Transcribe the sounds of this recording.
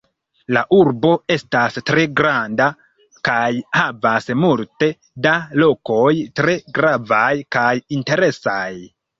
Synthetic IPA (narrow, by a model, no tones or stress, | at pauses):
laʔuɾbo̞e̞stastɾe̞ɡɾanda | kajhavasmulte̞ | dalo̞ko̞jtɾe̞ɡɾavajkajinte̞ɾe̞saj